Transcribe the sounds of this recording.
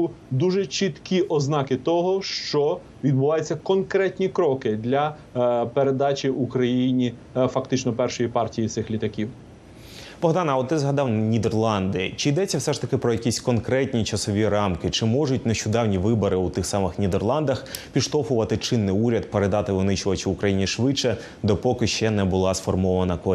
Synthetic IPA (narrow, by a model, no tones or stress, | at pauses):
d̪uʒɛt͡ʃit̪kʲiʔɔznɑkɪt̪ɔɦɔʃt͡ʃɔ | ʋʲid̪̚bʊʋɑjet͡sʲːɐkɔnkɾɛtʲnʲikɾɔkɪd̪lʲɐ | peɾed̪ɑt͡ʃʲiukɾɐjinʲi | fɐkt̪ɪt͡ʃnɔpɛrʃɔjipɑrtʲijit̪sɪxlʲit̪ɐkʲiw | b̥ɔɦd̪ɑnɐɔt̪ːɪzɦɐd̪ɑwnʲid̪erlˠɑnd̪ɪt͡ʃɪjd̪ɛt͡sʲːɐwsɛʂt̪ɐkɪpɾɔjɐkʲisʲkɔnkɾɛtʲnʲit͡ʃɐsɔʋʲiɾɑmkɪt͡ʃɪmɔʐʊtʲneʃt͡ʃʊd̪ɑwnʲiʋɪbɔɾɪut̪ɪxsɑmɪxnʲid̪erlˠɑnd̪ɐxpʲiʃt̪ɔfʊʋɐt̪ɪt͡ʃɪnːɪjuɾʲɐd̪̚peɾed̪ɑt̪ɪʋɪnɪt͡ʃʊʋɐt͡ʃɪʊkɾɐjinʲiʃʋɪt͡ʃːɛ | d̪ɔpɔkɪʃt͡ʃɛnɛbʊlˠɑsfɔrmɔʋɐnɐkɔ